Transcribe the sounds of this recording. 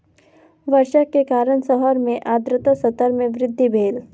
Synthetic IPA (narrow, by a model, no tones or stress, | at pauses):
ʋəɾʃəkːekaːɾəɳsəɦəɾmẽʔaːd̪ɾɪt̪asət̪əɾmẽʋɾɪd̪ʱːibʱeːl